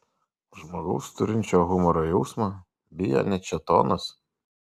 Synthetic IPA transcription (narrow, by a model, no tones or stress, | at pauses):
ʒmoɡɐʊst̪ʊɾʲɪnʲt͡ʃʲoːɣʊmɔɾɔːjɔʊsmɐ | bʲɪjɛ̰nʲɛt͡ʃʲɛt̪o̰ːnɐs